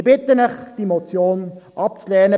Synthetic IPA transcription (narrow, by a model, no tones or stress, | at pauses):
b̥ɪt̪ənɛχd̥imot͡sjoːnʔɑp̚t͡slɛːnə